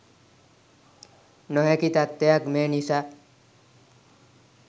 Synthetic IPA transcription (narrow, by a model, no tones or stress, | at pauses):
nɔɦekit̪at̪ːeakmenisa